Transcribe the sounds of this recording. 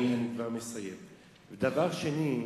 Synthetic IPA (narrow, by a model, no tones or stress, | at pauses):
anikvaʁmesajem | bed̪avaʁʃeni